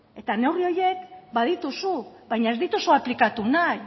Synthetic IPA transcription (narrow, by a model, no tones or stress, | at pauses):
e̞t̪ane̞wrio̞je̞kbað̞it̪usuβajɲae̞zðit̪usuaplikat̪unaj